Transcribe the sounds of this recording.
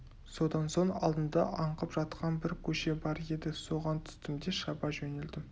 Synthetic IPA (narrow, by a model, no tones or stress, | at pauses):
so̞d̪ɑnso̞ɴɑ̰lˠd̪ənd̪ɑ̰ʔɑɴqəpʒ̥ɑt̪qɑnbɪɾkʲʰɵʃe̞bɑɾe̞d̪ɪso̞ʁɑnt̪ʰʏ̥st̪ɪmd̪eʃɑbɑʒɵne̞ld̪ɪm